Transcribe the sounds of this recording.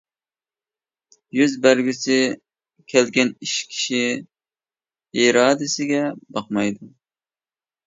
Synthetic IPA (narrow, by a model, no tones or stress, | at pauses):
jyzbæɾɡʲysɪ | kʲʰɛlɡʲɛniʃkʲʰi̥ʃi | iɾɑːd̪ɪsɪɡʲɛbɑqmɑjd̪u